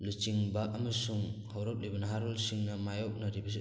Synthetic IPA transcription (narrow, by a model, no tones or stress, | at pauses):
lut͡ʃiŋbaʔamɯsuŋhawɾɔp̚libanaɦaɾɔlsiŋnamajɔk̚naɾibas̬i